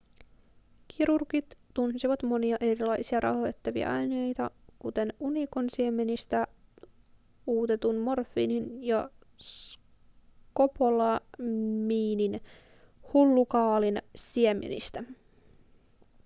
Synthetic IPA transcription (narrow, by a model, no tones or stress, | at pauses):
kʰiɾurkit̪ːunsiʋɑt̪mo̞niɑʔe̞ɾilɑjsiɑɾʔɑ̰hoet̪ːɑʋḭæ̰ʔɑjnejt̪ɑkut̪e̞nunikonsiemenist̪æ | uːt̪e̞t̪unmo̞rfːḭninjɑ | s | ko̞polɑmiːnin | hulːukɑːlinsiemḛnḭst̪æ